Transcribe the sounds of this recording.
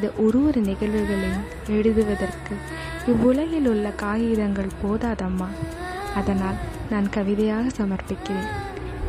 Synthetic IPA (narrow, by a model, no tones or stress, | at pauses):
ɪnðɐʔɔɾɯʋɔɾɯnɪɣɐɭʋɯɣɐɭɪn | ɛɽɯðɯʋɐðɐrkɯ | ɪʋːʊɭɐjɪlʊɭːɐkaːjiːðɐŋɡɐɭpoːðaːðɐmːaː | ɐðɐnaːlnaːnkɐʋɪðɐjaːɣɐsɐmɐrpɪkːɪreːn